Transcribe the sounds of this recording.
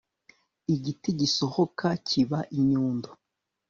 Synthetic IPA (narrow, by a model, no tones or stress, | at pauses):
iɟitiɟiso̞hokaciβaʔiɲuːndo